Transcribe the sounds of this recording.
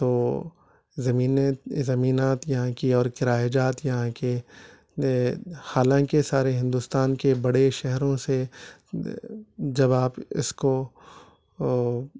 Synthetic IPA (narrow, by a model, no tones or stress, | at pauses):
t̪oː | zɐmiːnezɐmiːnaːt̪jɐɦãkiɔːɾkɪɾaːjad͡ʒaːt̪jɐɦãke | haːlãːkesaːɾeɦɪ̃nd̪uːst̪aːnkebɐɽeʃɛɦɾõse | d͡ʒɐbaːpɪ̰sko